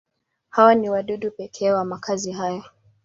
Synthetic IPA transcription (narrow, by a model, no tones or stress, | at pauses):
hawaniwaɗuɗupɛkʰɛwamakʰaziɦajɔ